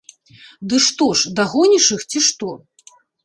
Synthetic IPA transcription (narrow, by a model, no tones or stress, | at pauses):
d̪ɨʂt̪ɔʂd̪aɣɔnʲiʂɨxt͡sʲiʂt̪ɔ